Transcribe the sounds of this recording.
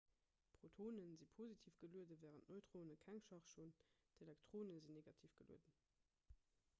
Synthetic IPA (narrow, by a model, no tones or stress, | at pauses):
pʁotʰoːnənzipʰozitʰiːfɡ̥əluədəvɛːʁəntnoɪtʁ̥oːnəkʰæŋʃɑχʃoːn | d̥elɛktʰʁ̥oːnəzinːeɡɑtʰiːfɡ̥əlṵədə